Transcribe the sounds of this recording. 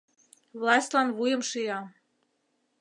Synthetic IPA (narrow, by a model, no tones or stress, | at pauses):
βlɑsʲt̪ʲlɑnβujə̆mʃijɑ